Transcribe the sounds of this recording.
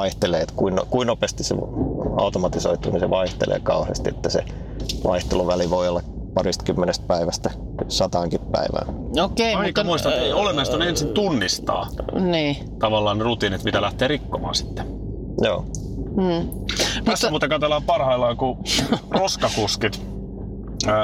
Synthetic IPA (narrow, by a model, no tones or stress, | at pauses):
ɑiht̪eleːet̪kuinokuinopest̪issḛɑ̰ut̪omɑt̪iso̰it̪ṵːniseʋɑiht̪ḛlʔḛːkɑuhḛst̪iet̪ːæsḛ | ʋʔɑ̰iht̪eluʋæliʋoiolːɑk | pɑrist̪kymːenest̪̚pæiʋæst̪ | sɑt̪ɑːŋkippæ̰iʋæ̰ːokeiɑikːmuist̪ɑeiolemːiɑst̪ɑnensint̪unːist̪ɑ̰ːniː | t̪ɑʋɑlːɑːnerut̪iːnit̪mit̪ælæht̪eːrikːomɑ̰ːsi̥t̪ːe̥ | jo̰ː | m̩ː | tæsmuːt̪ekɑt̪elːɑːmpɑrhɑilːɑkuroskɑkuskit̪